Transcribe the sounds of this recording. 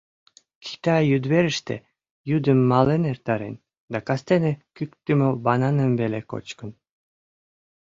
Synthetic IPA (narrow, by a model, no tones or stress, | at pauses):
kʰi̥t̪ɑjyd̪βeɾəʃt̪ḛ | jyd̪ə̆mːɑlenert̪ɑɾḛn | d̪ɑkɑst̪enekykt̪ymobɑnɑnə̆mveleko̰t͡ɕkən